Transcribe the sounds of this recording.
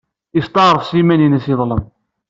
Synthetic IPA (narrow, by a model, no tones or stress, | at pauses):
ist̪ˤɑʁɾˤəfsimæninæsiðˤləm